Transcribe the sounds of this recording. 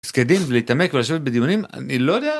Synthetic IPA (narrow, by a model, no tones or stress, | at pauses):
sked̪inveleit̪ame̞kvelaʃ̬evet̚bed̪ijunima̰nilo̞jod̪ea